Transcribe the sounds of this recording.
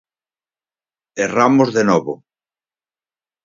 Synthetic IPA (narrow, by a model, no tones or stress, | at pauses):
eramʊzðenɔβʊ